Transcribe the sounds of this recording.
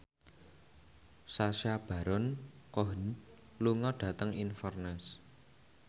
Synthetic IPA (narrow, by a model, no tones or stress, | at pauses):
saʃab̥a̤ɾɔn | koɦən | luŋɔɖ̥ä̤t̪əŋinfɔrnɛs